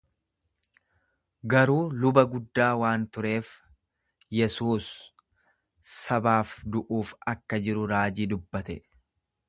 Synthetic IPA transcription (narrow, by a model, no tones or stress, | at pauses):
ɡɐɾuːlʊbɐɡʊd̪ːaːwaːnt̪ʊɾe̞ːf | jɛsuːs | ɐbaːfd̪ʊʔuːfɐkːɐd͡ʒɪɾʊɾaːd͡ʒiːd̪ʊbːɐt̪ɛ